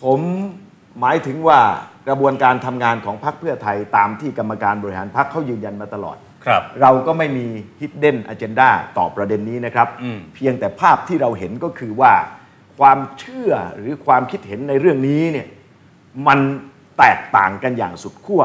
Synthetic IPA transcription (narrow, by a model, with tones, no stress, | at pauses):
pʰo˩˦mː | aː˩˦jt̪ʰɯ˩˦ŋwaː˥˩kɾa˧bu˧ənkaː˧nt̪ʰa˧mŋaː˧nkʰɔː˩˦ŋpʰa˦˥k̚pʰɯ˥˩ɐt̪ʰa˧jt̪aː˧mt̪ʰiː˥˩ka˧mːa˧kaː˧nbɔː˧ɾi˧˩ɦa̰ː˩˦npʰa˦˥kʰːa˦˥wjɯː˧nja˧nmaː˧t̪a˧lɔ̰ː˨˩t̪̚ | ɾa˧wkɔː˥˩ma˥˩jmiː˧hi˦˥t̪̚de˥˩nʔaː˧t͡ɕe˧ndaː˥˩t̪ɔ̰ː˨˩pɾa˧de˧nːiː˦˥na˦˥kʰɾa˦˥p̚pʰi˧əŋt̪ɛː˨˩pʰaː˥˩p̚t̪ʰiː˥˩ɾa˧wɦe˩˦nkɔː˥˩kʰɯː˧waː˥˩ | kʰwaː˧mt͡ɕʰɯ˥˩ɐɾɯː˩˦kʰwaː˧mkʰi˦˥t̪̚he˩˦nːa˧jɾɯ˥˩əŋniː˦˥ni˥˩ɐ | ma˧n | t̪ɛː˨˩k̚t̪a̰ː˨˩ŋka˧nja̰ː˨˩ŋsu˨˩t̪̚kʰu˥˩ɐ